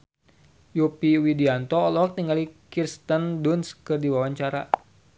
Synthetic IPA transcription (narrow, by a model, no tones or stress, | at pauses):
jupiwidiant̪ɔːlɔk̚t̪iŋɡalikirst̪əndunskɨrdiwawaɲt͡ʃaɾa̰